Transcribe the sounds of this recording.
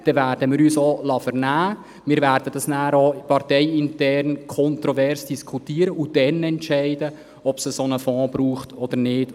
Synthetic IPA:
d̥ɛvæːɾd̥əmɪːɾyːsoːlɑfəɾnæː | mɪːɾvæːɾd̥ədɑsnæːɾopɑrtɛɪɪntɛrnkʰɔntɾɔvɛrsd̥iskʰutiːəɾəʊd̥ɛnɛntʃɛɪdə | ɔb̥səsonəfɔ̃ːb̥ɾuːχtɔd̥̪əɾnɪːt

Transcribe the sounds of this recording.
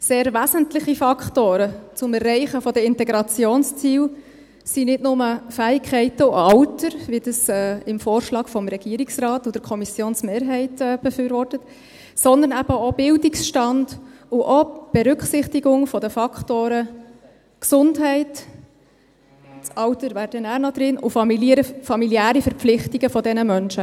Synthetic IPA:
seːɾvæzəntlɪχifɑkχtoːɾət͡sʊmɛrːɛɪχəfɔdəɪntɛɡɾɑt͡sjoːnst͡siːw | sinɪtnʊməfæːɪkʰɛɪtəʊɑwtəɾvid̥əsɛːɪmfoːɾʃlɑːɡ̥fɔmɾɛɡ̥iːɾɪksrɑːtʊd̥əɾkʰɔmisjoːnsmeːɾɦɛɪtɛb̥əfyːɾvɔrtət | sɔnd̪ənæb̥əob̥ɪldɪksʃtɑnd̥ʊʔob̥ɛɾʏkχsɪχtiɡʊŋfɔdəfɑkχtoːɾə | ksʊndɦɛɪt | t͡sɑwtəɾvæːɾd̥ənæːɾnɔd̥̪ɾɪnʔʊfɑmiliɾəfɑmiljæːɾifəɾpp͡flɪχtiɡ̥əfɔdɛnəmœnʃə

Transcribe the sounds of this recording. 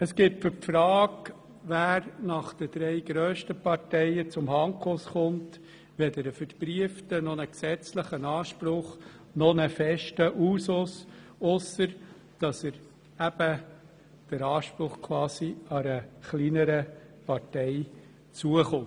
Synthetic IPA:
əsɡ̥ɪtfʏɾpfɾɑːk | ʋæːɾnɑχd̪̥əd̥̪ɾɛɪɡ̥ɾøːʃtəpɑɾtɛɪət͡sʊmhɑŋkʰosχʊnt | ʋɛd̪əɾəfəɾpɾiəftənɔnəksɛt͡sləχənɑːʃpɾʊχ | nɔnəfɛʃtəʔuːsʊsʊsːəɾ | d̥ɑsəɾ | æb̥ə | d̥əɾɑːʃpɾʊχkʰwɑːsiɑɾəχlinəɾə | pɑɾtɛɪ | t͡suəχʊn

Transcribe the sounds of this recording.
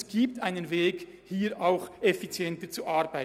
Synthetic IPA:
sɡ̥iːp̚taɪnənveːɡ | hiːɾʔaʊxefit͡sjɛntət͡suʔaɾbaɪ

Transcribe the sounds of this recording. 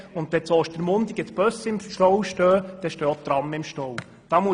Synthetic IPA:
ʊnd̪ʋɛsɔːʃtəɾmʊnd̪iɡətb̥œsəɪmʃtɔwʃtøːd̪̥ɛʃtøːot̪ɾɑmːəɪmʃtow | d̪̥ɑmuə

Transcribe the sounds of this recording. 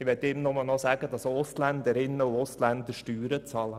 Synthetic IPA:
ɪʋɛtɪmnʊməlnɔsæːɡ̥əd̥ɑsʊstlænd̪əɾɪnːəʊʊstlænd̪əɾʃtyːɾət͡sɑːlə

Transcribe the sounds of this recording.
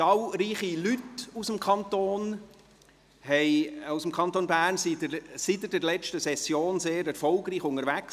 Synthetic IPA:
tɑlɾiːχilytusəmkʰɑnt̪oːn | hɛɪawsəmkʰɑnt̪onbæːrnsisitɪdɛɾlɛt͡ʃtəsɛsjoːnseːɾɛɾfɔlɡɾiːχʊŋəɾvæks

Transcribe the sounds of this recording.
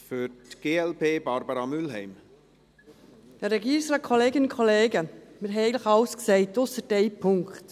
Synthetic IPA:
fʏɾtɡ̥eːɛlpʰeːbɑɾbəɾɑmʏlɦɛɪm | jɑɾɛɡiːɾɪŋsɾɑːkʰoleːɡɪnʊnkʰɔleːɡəmɪɾɦɛeɪəntlɪxɑʊskseɪtʊsəd̥eɪpʰʊŋkt

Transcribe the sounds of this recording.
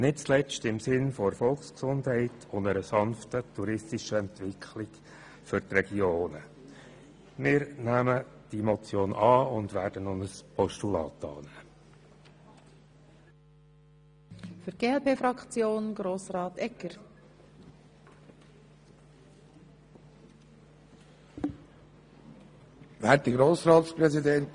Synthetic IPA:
nɪt̚t͡slɛt͡ʃtɪmsɪnfɔəɾfɔlˠksksʊndɦɛɪtʰʊnəɾəsɑnftətʰuɾɪstiʃəɛntʋɪkʰχlɪk | fʏrtrɛɡioːnə | mɪːɾnæːməd̥imɔt͡sjoːnʔɑːʊnd̪ʋæːɾd̥ənʊnəspʰɔʃtulɑ̰ːtɑ̰ːnæː | fyɾɡ̥eːɛlpeːfɾɑkt͡sjoːnɡɾoːsrɑːt̪ɛkːəɾ | æt̚d̥iɡɾoːsɾɑːt̪spɾɛzid̪ɛnt

